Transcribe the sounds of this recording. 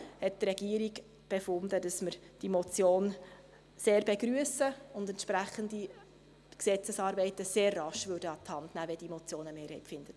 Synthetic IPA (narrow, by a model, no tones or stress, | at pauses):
hɛt̚tɾɛɡiəɾiɡ | b̥efʊnd̪ədɑsməɾ | d̥imɔt͡sjoːn | seːɾbeɡɾyəsəʊnd̪ɛntʃpɾæχəndi | ksɛt͡səsɑːɾbɛɪtəseːrːɑʃʋødəɑt̪hɑntnæːʋɛd̥imɔt͡sjoːnəmeːɾhɛɪtfɪnd̥ə